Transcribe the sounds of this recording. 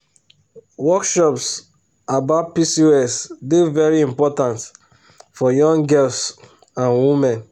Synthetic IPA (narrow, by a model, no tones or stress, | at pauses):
wɔkʃɔps | abaʊt̚pisiɛsdevɛɹiĩmpɔtãnt | fɔjɔ̃ŋɡɛls | ãnwimɛ̃n